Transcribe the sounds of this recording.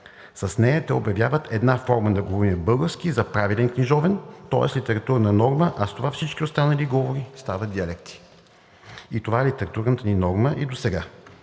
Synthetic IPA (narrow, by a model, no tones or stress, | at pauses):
sɐsnɛjɐt̪ɛobjɐvʲjavət̪ʰɛd̪nafɔɾməd̪ɐɡovɔimɛbɤlˠɡəɾfsk̟izɐpɾavilɛnkniʒɔvɛnt̪ɔ̰ɛ̰slit̪ɛɾɐt̪uɾnənɔɾməʔɐst̪ovafsit͡ʃkiost̪anəliɡɔvoɾist̪avət̪d̪ʲiɐlɛkt̪ʰi̥ | it̪ovaɛlit̪ɛɾɐt̪uɾnət̪əninɔɾməʔid̪osɛɡa